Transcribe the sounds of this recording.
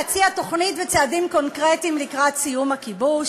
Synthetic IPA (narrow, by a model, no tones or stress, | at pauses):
t͡siato̞χnitvet͡seadimko̞nkʁetimlikʁatsijumhakibuʃ